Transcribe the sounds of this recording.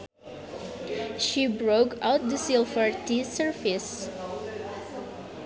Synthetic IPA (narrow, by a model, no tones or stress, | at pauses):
ʃibɹoʊkaʊt̪̚d̪əsɪlˠfəɹtisəɹfɪs